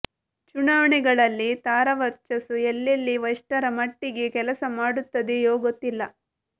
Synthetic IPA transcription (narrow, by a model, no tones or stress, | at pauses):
t͡ʃunaːʋɐɳɛɡɐɭɐlːit̪aːɾɐʋɐt͡ʃɐsuelːelːiʋɐjʂʈɐɾɐmɐʈːiɡekɛlɐsɐmaːɽut̪ːɐd̪ejoːɡot̪ːilːɐ